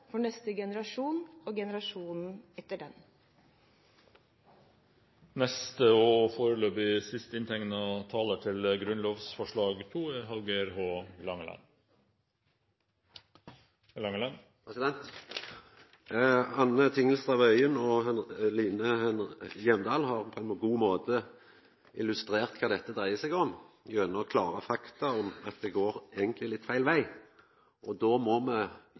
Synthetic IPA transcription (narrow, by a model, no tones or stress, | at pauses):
fɔɳɛst̪əɡɛnəɾɑʂuːnoːɡɛnəɾɑʂuːnn̩ɛt̪ːəɖɛn | nɛst̪əofoːɾəløːpɪsɪst̪ɪnt̪ʰɛŋnəoːt̪ʰɑːlət̪ʰɪlɡɾʉnloːʋsfɔʂɭɑːɡt̪ʰuːeːɦɑlɡəɾhoːlɑŋəlɑ̰n | lɑŋəlɑn | pɾɛsɪd̪ɛnt̪ | ɑnːət̪ʰɪŋəlst̪ʁɑʋœʏənɔɦɑnliːnəhɛnjɛmd̪ɑːlhɑːʁpʰɔɛnmɔɡuːmoːt̪ə | ɪlʉst̪ɾeːʁt̪̚kʰɑːd̪ɛt̪ːəd̪ʁæɪəsɛɡɔmjœnəɔkʰlɑːɾɑfɑkt̪ɑɔmɑt̪̚d̪ɛɡoːɾeːɡənt̪lɪlɪt̪ːfæɪlʋæɪ | ʔɔd̪oːmɔmɛ